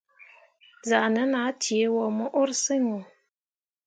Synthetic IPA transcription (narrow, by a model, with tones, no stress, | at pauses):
za˨ʔnə˨˦na˨˦tje˨˦wɔ˨mə˦ʔo˦ɾsɨ˦ŋo˨